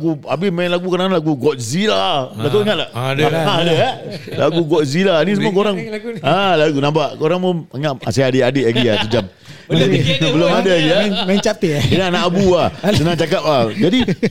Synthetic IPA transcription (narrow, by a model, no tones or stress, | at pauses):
ɡuabɪhmanlaɡukoɾanlaɡuɡɔt̪̚zilaɡat̪oʔɲãʔlaaadaalaɡuɡɔt̪̚zilanis̬əmuakoɾaŋãlaɡunãbaʔkoɾaŋmoŋaʔasaadeʔadeʔlaɡiasəd͡ʒap̚ | abəlomadaaɡiamat͡ʃapiinaanaʔabuasənãŋt͡ʃak̬ap̚ad͡ʒadi